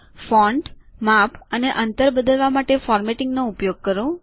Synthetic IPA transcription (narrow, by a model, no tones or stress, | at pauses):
fɔɳɖmapəneʔənt̪əɾbəd̪əlʋamaʈefɔɾmeʈɪŋɡnõupjoɡ̚kəɾũ